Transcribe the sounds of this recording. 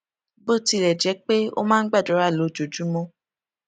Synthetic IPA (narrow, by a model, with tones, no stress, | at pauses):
bo˦˨ti˧ɾɛ˨d͡ʒɛ˨˦k͡pe˦o̰˦mãː˦ɡ͡ba˦˨dɔ˨˦ɾa˦˨lo˨˦˨d͡ʒo˨d͡ʒu˨˦mɔ̃˦